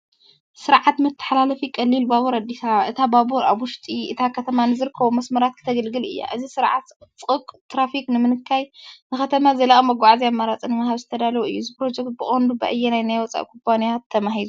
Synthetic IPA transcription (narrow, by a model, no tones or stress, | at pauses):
sɨɾʕat̪mɨt̪ʰːɨ̥ħalalɐfikʼɐlːilbaβuɾad̪ːisaβaʔɨt̪ʰababuɾa̰βwʊʃt̪ʼiʔɨt̪ʰakʰɐt̪ʰɐmanɨzɨɾɨkʰːɐβomɐsmɐɾat̪̚kʰɨ̥t̪ʰɐɡɐlɡɨlɨ̰jːa̰ʔɨzisɨɾʕat̪t͡sʼɨkʼt̪ɾafiknɨmɨnɨkʰːajnɨxɐt̪ʰɐmazɐlaʔʼɐmɐɡʷaʕaziamːaɾat͡sʼinɨmahaβzɨt̪ʰɐd̪alɐwoɨjːuzipɾo̞d͡ʒɛkt̪̚bɨχʼond̪ubɐ̰ʔɨjːɛnajnajwɔt͡sʼa̰ʔkʰumpʰanijat̪ʰːɐmaɦilu